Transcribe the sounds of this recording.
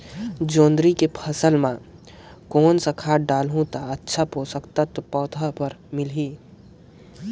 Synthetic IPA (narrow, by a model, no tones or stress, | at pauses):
d͡ʒõːnd̪ɾikepʰɐsəlmã | koːnsakʰaːʈɖaːlɦũt̪aətːʃʰapoːsəkt̪at̪opɔːt̪ʰapəɾmɪlɦiː